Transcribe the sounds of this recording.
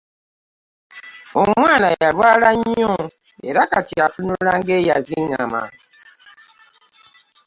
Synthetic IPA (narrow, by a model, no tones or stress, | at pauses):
oŋʷanajaɾwaɾaɲɔ̃ | ḛɾakatiafinuɾaŋɡejaziŋama̰